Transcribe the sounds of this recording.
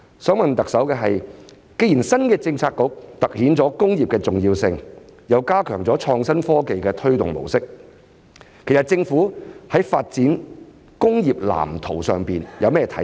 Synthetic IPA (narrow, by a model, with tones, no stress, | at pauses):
sœː˨˥ŋmɐ˨nt̪ɐ˨k̚sɐ˨˥wkɛː˧ɦɐ˨j | ke˥jiː˨˩nsɐ˥nkɛː˧t͡sɪ˧ŋt͡sʰaː˧kkʊ˨˧k̚t̪ɐ˨k̚hiː˨˥nt͡sɔː˨˥kʊ˥ŋjiː˨p̚kɛː˧t͡sʊ˨ŋjiː˧wsɪ˧ŋjɐ˨˧wkaː˥kʰœː˨˩ŋt͡sɔː˨˥t͡ʃʰɔː˧ŋsɐ˥nfɔː˥ke˨jkɛː˧t̪ʰɵ˥ɥt̪ʊ̰˨ŋmo̰˨˩wsɪ˥k̚ | kʰːe˨˩jst̚t͡sɪ˧ŋfuː˨˥hɐ˨˥jfaː˧t̚t͡siː˨˥n | kʊ˥ŋjiː˨p̚la̰ː˨˩mt̪ʰo˨˩wsœː˨ŋpiː˨˩njʔɐ˨˧wmɛː˥jɛ˨˩t̪ʰɐ̰˨˥